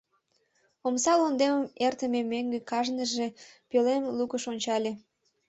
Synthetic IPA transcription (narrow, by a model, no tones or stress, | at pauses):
omsɑlond̪eməmert̪əmemeŋɡekɑʒnəʒepølemlukəʃonʲt͡ɕɑlʲe